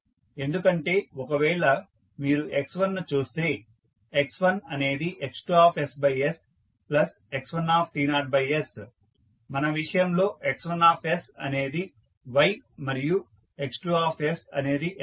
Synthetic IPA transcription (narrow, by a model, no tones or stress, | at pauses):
e̞nd̪ukɐɳʈe̞ːɔkɐʋɛːɭɐ | miːɾuʔe̞ksʋɐnːut͡ʃuːst̪e̞ː | eksʋɐnɐne̞ːd̪iʔeksʈuaːpʰesbɐjes | plɐs | eksʋɐnaːp̚ʰʈiːnaːɾʈ̚bɐjes | mɐnɐʋiʂɐjɐmlo̞ːʔeksʋɐnaːpʰe̞sɐ̰ne̞ːd̪i | ʋɐjmɐɾiju | eksʈuaːpʰesɐ̰ne̞ːd̪i